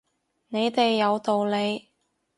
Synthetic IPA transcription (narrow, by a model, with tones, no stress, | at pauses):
ne˨˧jt̪e˨jːɐ˨˧wt̪o˨wle˨˧j